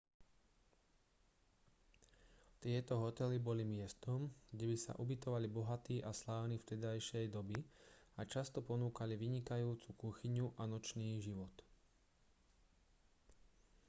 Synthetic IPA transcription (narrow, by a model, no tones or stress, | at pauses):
t̪ɪɛt̪ɔɦɔt̪ɛlibɔlimɪɛst̪ɔmɡɟɛbisa̰ʔubit̪ɔʋalibɔɦat̪iːʔaslaːʊniːft̪ɛd̪ajʃɛjd̪ɔbiat͡ʃast̪ɔpɔnuːkaliʋiɲikajuːt͡sukuxiɲuʔanɔt͡ʃniːʒiʋɔt̪